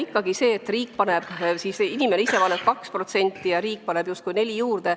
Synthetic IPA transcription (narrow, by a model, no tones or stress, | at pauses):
ikːɑɡ̥ise̞ːt̪ːriːkpɑneb̥sisinʲimeneise̞pɑneb̥̚kɑkspro̞t̪se̞nʲt̪ːˑijɑɾiːk̚pɑne̞b̥just̪̚kujne̞lʲijuːrd̪̥e̞